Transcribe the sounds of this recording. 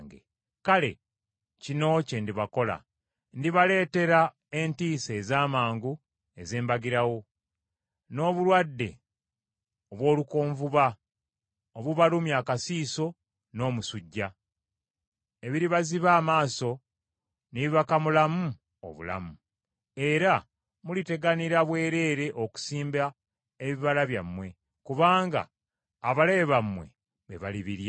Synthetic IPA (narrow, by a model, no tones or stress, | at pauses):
ŋɡḛ | kale̞̰ | cino̞ce̞ndiβako̞la̰ | ndiβale̞ːte̞ɾa | e̞ntiːse̞ːzaːmaːŋɡu | e̞zeːmbaɡiɾawo̞ | no̞ːβulwadːe̞̰ | oβwo̞ːlukoːɱvuβa | oβuβalumjaːkasiːso̞ | no̞ːmusuɟːa | e̞βiɾiβaziβaːmaːso̞ | niβiβakamulamu | o̰βṵla̰mu | e̞ɾa | mulite̞ɡaniɾaβwe̞ːɾe̞ːɾe̞ʔoku̥siːmba | eβiβalaβjamːwe̞ | kuβaːŋɡa̰ː | βaleβamwe̞̰ | βeβaliβiɾja